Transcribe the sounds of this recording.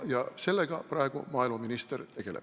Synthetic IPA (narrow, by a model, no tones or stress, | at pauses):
jɑse̞lːeɡ̥ɑprɑeɡ̥ṵmɑːilmɑminist̪ert̪e̞ɡ̥e̞lḛp̚